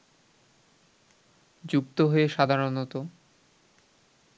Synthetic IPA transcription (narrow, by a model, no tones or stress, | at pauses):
d͡ʑukt̪oɦoeʃad̪ʱaɾonot̪o